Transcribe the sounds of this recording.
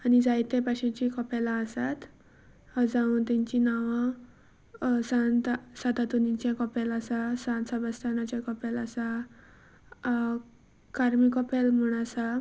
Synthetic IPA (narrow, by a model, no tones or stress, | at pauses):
anid͡zajt̪epaɕãt͡ɕikɔpalaəsat̪ | d͡zaũnt̪ãɲt͡ɕinaʋã | sãnt̪sat̪at̪unit͡ɕjãkɔpelasasãnt̪səbəst̪ʰanat͡ɕakɔpelasa | kaɾmikɔpelm̤əɽ̃asa